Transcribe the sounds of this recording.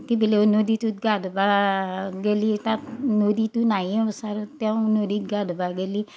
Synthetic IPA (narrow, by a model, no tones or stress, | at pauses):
kibɪlenodit̪uɡadba | ɡelit̪anodit̪unaiɛ̃saɾt̪jãũnodiɡadbaɡeli